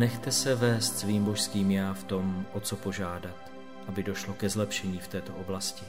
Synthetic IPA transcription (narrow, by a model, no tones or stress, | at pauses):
nɛxt̪ɛsɛvɛːst̪sviːmboʃskiːmjaːft̪o̞mʔot͡so̞po̞ʒaːdat̪ | ʔabɪdo̞ʃlo̞kɛzlɛpʃɛɲiːft̪ɛːt̪o̞ʔo̞blascɪ